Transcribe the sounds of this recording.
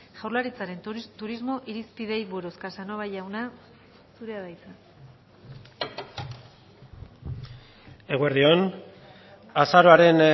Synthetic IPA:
ʝawrlaɾit͡saɾe̞nt̪uɾizmo̞ʔiɾispið̞e̞jβueɾoskasano̞βajawna | suɾe̞aðajt͡sa | eɣoeɾðion | asaɾoaɾe̞n

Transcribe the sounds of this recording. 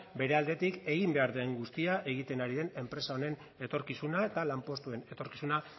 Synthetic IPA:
be̞ɾe̞ald̪e̞t̪ike̞ɣimbe̞aɾðeŋɡust̪iaʔe̞ɣ̞it̪e̞naɾiðe̞ne̞mpɾe̞sao̞ne̞n | e̞t̪o̞ɾkisunae̞t̪alampo̞st̪ue̞ne̞t̪o̞ɾkisuna

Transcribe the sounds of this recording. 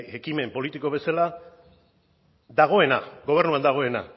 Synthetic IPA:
ekime̞mpo̞lit̪iko̞β̞esala | d̪aɣ̞o̞e̞naɡo̞β̞e̞ɾnuand̪aɣ̞o̞e̞na̰

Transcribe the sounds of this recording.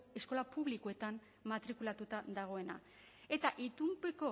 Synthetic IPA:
e̞sko̞lapuβlikoe̞t̪am | mat̪ɾikulat̪ut̪ad̪aɣ̞o̞e̞na̰ | e̞t̪aʔit̪umpeko̞

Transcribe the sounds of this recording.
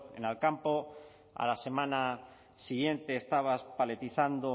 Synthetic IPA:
ḛnalkampo | a̰lase̞mãna | siɣje̞nt̪e̞ːst̪aβ̞aspale̞t̪iθand̪o

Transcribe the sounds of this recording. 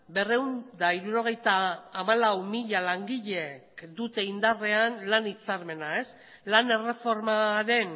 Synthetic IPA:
be̞re̞wnd̪aiɾuɾo̞ɣ̞e̞jt̪aːmalawmiʎalaŋɡiʎe̞kd̪ut̪e̞ind̪are̞anlanit͡saɾme̞nae̞s | lane̞re̞fo̞ɾmaɾe̞n

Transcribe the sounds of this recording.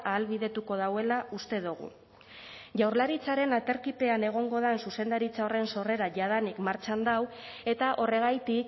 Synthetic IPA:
aːlβiðe̞t̪uko̞ð̞awe̞laust̪e̞ðuɣ̞ṵ | ʝawɾlaɾit͡saɾe̞nat̪e̞ɾkipe̞ane̞ɣ̞o̞ŋɡo̞ð̞ansuse̞nd̪aɾit͡sao̞re̞nso̞re̞ɾaʝað̞anikmaɾt͡ʃand̪aw | e̞t̪aʔo̞re̞ɣ̞ajt̪ik

